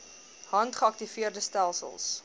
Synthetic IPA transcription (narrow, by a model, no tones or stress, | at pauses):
hɐntχəɐk̚tifiərdəstælˠsə̰lˠs